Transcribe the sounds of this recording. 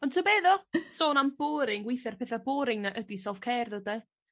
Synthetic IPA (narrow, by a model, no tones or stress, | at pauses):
ɔntʰəbeːðɔsoːnamb̥oːɾɪŋɡwɪjθɛrpʰeːθaboːɾɪŋnaʔədisɛlˠfkʰeːrðəda